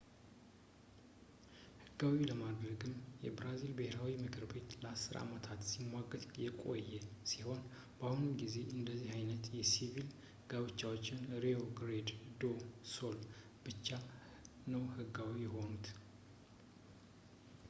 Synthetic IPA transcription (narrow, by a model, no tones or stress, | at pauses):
hɨɡawiləmad̪ɾəɡɨmjɛbɾazilbəheɾawimɨkʰɨɾbe̞t̪ləasːɨɾa̰mət̪ʰat̪simːwaɡəd̪jɛkʼo̞̰jːɛsiho̞n | bahunɨnɡize̞ʔɨnd̪əzːihajnət̪jɛsivil | ɡaβɨt͡ʃːawo̞t͡ʃːɪnɾeo̞ɡɾed̪d̪o̞so̞l | b̥ɨt͡ʃːa | nəwhɨɡawijɛho̞nut̪